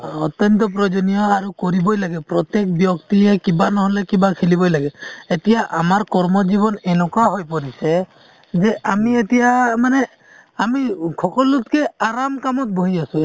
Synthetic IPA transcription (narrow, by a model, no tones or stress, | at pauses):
ɔt̪jɔnt̪ɔp̬ɹɔd͡ʒɔnijɔaɹukɔɹibɔjlaɡɛpɹɔt̪ek̚bjɔkt̪iɦɛkibanɔɦɔlɛkibakʰilibɔjlaɡɛːtijaʔamaɹkɔɹmɔzibɔnɛnɔkaɦojpɔɾisɛ | zɛʔamietijamanɛ | amikʰɔkɔlutkɛaɹamkamɔt̚boɦiasu